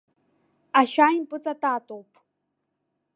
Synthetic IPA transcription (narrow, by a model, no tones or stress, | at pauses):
aʃaːjmpʼɨt͡sʼatʼaːtʼowpʼ